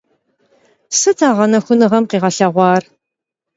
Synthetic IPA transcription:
sɨtʰaːʁɐnɐxʷʊnɨʁɐmqiːʁɐɬɐʁʷɑːr

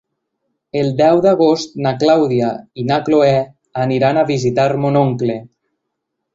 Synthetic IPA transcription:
elˠd̪ɛwðaɣost̪̚naklawðiainakloɛ | aniɾanaβizit̪aɾmonoŋkle

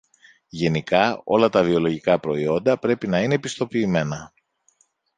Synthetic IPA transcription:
ʝe̞nikɐo̞̰lɐt̪ɐvio̞lo̞ʝikɐpɾo̞io̞nd̪ɐpɾe̞pinɐine̞pist̪o̞piːme̞nɐ

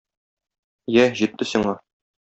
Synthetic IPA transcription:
jæʑit̪ːɘsiɴɑ

